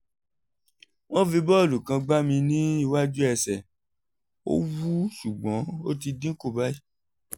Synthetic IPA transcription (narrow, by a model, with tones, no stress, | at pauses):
w̃ɔ̃˦fi˧bɔ˦˨lu˨kã˧ɡ͡ba˦mĩ˧nĩ˦i˧wa˦d͡ʒu˦ɛ˧˨sɛ˨ | o̰˦wu˦ʃu˨ɡ͡bɔ̃˨˦o˦ti˧dĩ˦ko˦˨ba˦i˦